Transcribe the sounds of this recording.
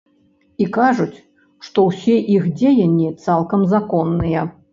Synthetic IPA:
ikaʐut͡sʲ | ʂt̪ɔwsʲɛʔixd͡zʲejɐnʲːit̪salˠkɐmzakɔnːɨjɐ

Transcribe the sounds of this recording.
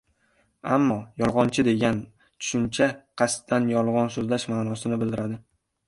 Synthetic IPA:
amːɒjɒlˠʁɒnt͡ʃʰɪd̪e̞ɡʲan | t̪ʰʊ̥ʃʊnt͡ʃʰaqʰɑst̪d̪anjɒlˠʁɒnsozlaʃmaːnɒsɪnɪbɪld̪ɪɾad̪ɪ

